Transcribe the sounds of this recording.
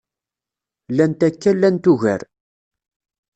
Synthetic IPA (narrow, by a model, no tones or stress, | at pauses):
lænt̪ækːælːænt̪uʝæ̰ɾ